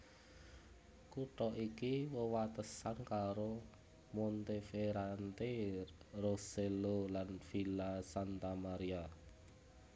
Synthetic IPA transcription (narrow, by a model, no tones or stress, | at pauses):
kuʈɔʔikiwəwat̪əsankaɾo | mont̪efeɾant̪e | roselolanfilasant̪amaɾia